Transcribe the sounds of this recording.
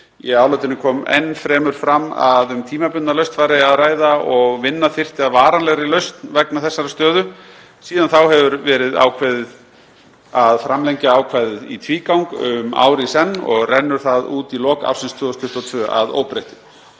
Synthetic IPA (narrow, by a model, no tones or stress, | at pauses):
jiaːwlœjt̪ɪnɪkʰɔːmḛjnːfɾɛːmʏɾ̥fɾamːa̰ðʏmt̪ʰiːmapʏnnalœɥst̪faɾɪaðraːjðaɔɣvɪnːaθɪr̥t̪ɪaðvaːɾanlɛɣɾɪlœɥst̪nvɛknaθɛsːaɾast̪œːðʏ | siːðanθawhɛvʏɾvɛːɾɪða̰wkʰvɛːðɪð | aðfɾamlɛjɲcaaːwkʰvajðɪðḭt̪ʰviːkawŋkʏma̰ːwɾɪsɛnːɔ̰ɣrɛnːʏɾ̥θaðuːt̪ilɔːka̰fsɪnst̪ʰvʏːðɔst̪ʰʏht̪ɔt̪ʰvœːa̰ðo̰ːwpɾejht̪ɪ